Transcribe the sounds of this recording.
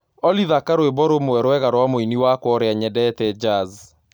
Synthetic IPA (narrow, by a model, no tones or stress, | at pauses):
ɔliðakaɾwebɔɾomowɛɾwɛɣaɾwamoiniwakwɔɾeaɲɛdɛtɛd͡ʒaz